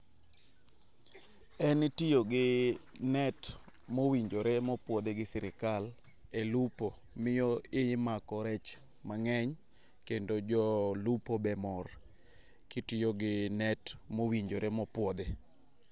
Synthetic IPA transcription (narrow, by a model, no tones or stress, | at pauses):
ɛntɪjoɡɪ | nɛt | mowiɲd͡ʒoɾɛmɔpwɔd̪eɡɪsɪɾɪkal | elupo | mɪjɔɪmakɔɾɛt͡ʃ | maŋɛɲ | kendod͡ʒɔlupobɛmɔr | kɪtɪjoɡɪnɛtmowiɲd͡ʒoɾʔɛmɔpwɔd̪e